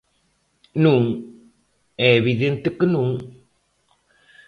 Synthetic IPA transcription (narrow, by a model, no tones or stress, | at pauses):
nuŋ | ɛβid̪ent̪əkənuŋ